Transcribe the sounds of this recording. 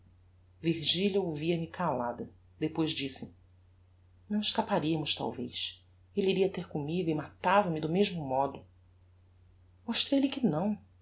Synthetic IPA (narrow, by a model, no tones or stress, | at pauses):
viɾʒiʎjɐowviɐmɪkʰalad̪ɐ | d̪epojzd͡ʒisɪ | nɐ̃w̃ɪʃkapaɾiɐmʊʃt̪a̰wvejs | eliɾiɐt̪eɾkʊmiɡʊɪmat̪avɐmɪd̪ʊmeʒmʊmɔd̪ʊ | moʃt̪ɾejlɪkɪnɐ̃w̃